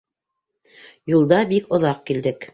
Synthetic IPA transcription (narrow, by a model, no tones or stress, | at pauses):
julˠd̪ɑbikŏðɑq̚kild̪ɘk